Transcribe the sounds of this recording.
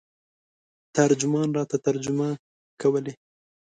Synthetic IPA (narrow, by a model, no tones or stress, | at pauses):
t̪aɾd͡ʒʊmɑnɾɑt̪at̪aɾd͡ʒʊma | kawəle